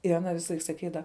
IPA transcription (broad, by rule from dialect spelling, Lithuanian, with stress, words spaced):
ɪr ɐˈnɐ ˈʋʲɪsɐˌlˠɐɪk sɐˈkʲiːdɐʋɐ